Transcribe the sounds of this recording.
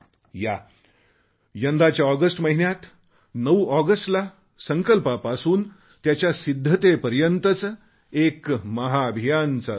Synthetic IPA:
ja | jənd̪ʱat͡ɕjaɔɡəsʈməɦinjat̪ | nəʋɔɡəsʈla | səŋkəlpapasuːn | t̪jat͡ɕjasid̪ʱːət̪epəɾjənt̪ət͡s | ekməɦaːbʱijant͡sa

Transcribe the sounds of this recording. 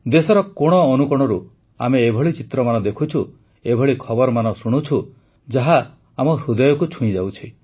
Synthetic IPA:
d̪esɔɾɔkoɽ̃ɔːnukɔɽ̃ɔɾu | a̰meːbʱɔɭit͡ʃit̪ɾɔmanɔd̪ekʰut͡ʃʰu | ebʱɔɭikʰɔbɔɾɔmanɔsuɽ̃ut͡ʃʰu | d͡ʒaɦaː | mɔɾud̪ɔjɔkut͡ʃʰũĩd͡ʒawt͡ʃʰi

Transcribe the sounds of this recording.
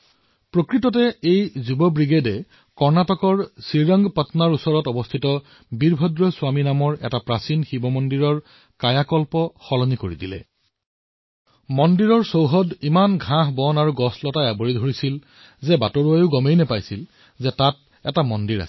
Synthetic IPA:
pɹokɹitɔtɛejzubɔbɹiɡedɛ | kɔɹnatɔkɔɹsiɹɔŋɡpatnaɹusɔɹɔtɔbɔstʰitɔ | biɹbʱɔdɹɔsʊaminamɔɹɛ̰tapɹasinxibɔmɔndiɹɔɹ | kajakɔlpɔxɔlɔnikoɹidilɛ̰ | mɔndiɹɔɹsowɦɔdimanɡʱãɦbɔnaɹuɡɔslɔtaabɔɹidʱoɹisil | zɛbatɔɹuajʊɡɔmejnɛpajsil | zɛtat̚ | ɛtamɔndiɹa̰sɛ

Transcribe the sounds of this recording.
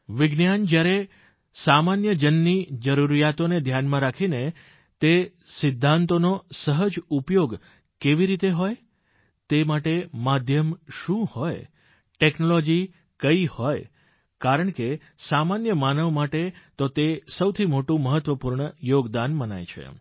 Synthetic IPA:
ʋɪɡnjand͡ʒjaɾe | samanjəd͡ʒənːid͡ʒəɾuɾijat̪oned̪ʱjanmãɾakʰine | t̪e | sɪd̪ʱːãnt̪onosəɦəd͡ʒupjoɡ | keʋiɾit̪eɦoj | t̪emaʈemad̪ʱjəmʃũhoj | ʈeknolod͡ʒi | kəihoj | kaɾəɳke | samanjəmanəʋmaʈet̪ot̪esəwt̪ʰimoʈũməɦət̪ʋəpuɾɳəjoɡd̪anməna̰jt͡ʃʰḛ

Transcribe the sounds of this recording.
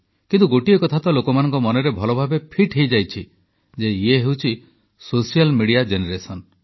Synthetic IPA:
kint̪uɡoʈiekɔt̪ʰat̪ɔlokɔmanɔŋkɔmɔnɔɾebʱɔlɔbʱabepʰiʈɦejd͡ʒajt͡ʃʰi | d͡ʒeieɦewt͡ʃʰi | sosijalmiɽiad͡ʒeneɾesɔn

